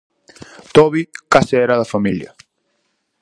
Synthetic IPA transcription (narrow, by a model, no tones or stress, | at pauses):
t̪ɔβikaseɛɾaðɐfamiljɐ̰